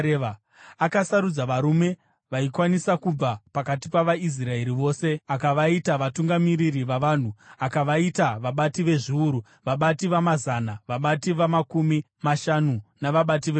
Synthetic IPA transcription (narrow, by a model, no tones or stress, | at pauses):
akasaɾud͡zaʋaɾume̞ | ʋaikwanisakub͡vapakatipaʋais̬rae̞ɾiʋo̞ːse̞akaʋaitaʋatuŋɡamiɾiriʋaʋan̤uakaʋaitaʋaɓatiʋe̞ʐiuɾu | ʋaɓatiʋamazanaʋaɓatiʋamakumi | maʃanunaʋaɓat̬iʋe